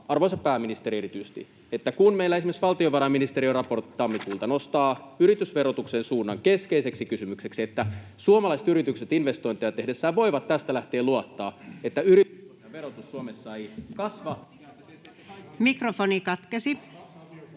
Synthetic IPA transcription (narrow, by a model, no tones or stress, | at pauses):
ɑrʋoisɑpæːminist̪eɾieɾit̪yjst̪ḭ | et̪ːækunmejlːæesimesʋɑlt̪ioʋɑɾɑminist̪eɾiorɑpo̞rt̪ːi̥t̪ɑmːikuːlt̪ɑno̞st̪ɑːyɾit̪ysʋe̞ɾot̪uksensuːnːɑŋke̞skeise̞ksikysymykseksiet̪ːæ | suomɑlɑiset̪yɾit̪ykset̪inʋe̞st̪o̞jnt̪ejɑt̪e̞hdesːæːʋo̞iʋɑt̪t̪ːæst̪ælæht̪e̞ːluɑt̪ːɑːet̪ːæyɾit̪ysumɑʋerot̪usːuomesːɑikɑsʋɑ | mikrofonikɑt̪kesi